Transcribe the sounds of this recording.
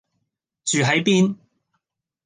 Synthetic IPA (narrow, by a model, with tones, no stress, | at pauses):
t͡ʃyː˨ɦɐ˨˥jpiː˥n